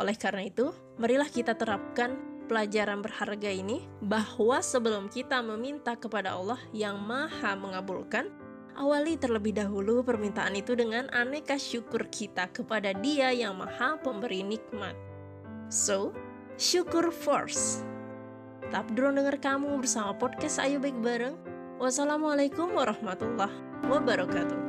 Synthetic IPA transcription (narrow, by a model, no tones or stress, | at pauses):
ʔolɛhkarənait̪u | məɾilahkit̪at̪əɾap̚kanpəlad͡ʒaɾanbərharɡaini | bahwasəbəlʊmkit̪aməmint̪akəpadaɑ̰lːɔhjaŋmahaməŋabulkan | ʔawalit̪ərləbɪhdaɦulupərmint̪aʔanit̪udəŋanʔanɛkaʃukʊrkʰit̪akəpadadiajaŋma̰hapəmbəɾinik̚ma̰t̪̚ | so | ʃukʊrfɔ̰rs | ət̪ap̚duɾʊŋdəŋarkamubərsamapɔd̚kast̪a̰jubak̚baɾəŋ | wasalamalakʊmwaɾɑhmat̪ulːɑh | wabaɾɔkat̪u